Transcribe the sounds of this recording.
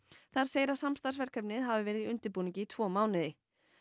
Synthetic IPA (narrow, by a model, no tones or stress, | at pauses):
θaɾ̥seːjɾasamst̪aɾsvɛr̥kʰœpnɪðɦavɪvɛːɾɪðiʏnt̪ɪɾpuːnĩŋcɪːt̪ʰv̥ɔːmaːwnɪðɪ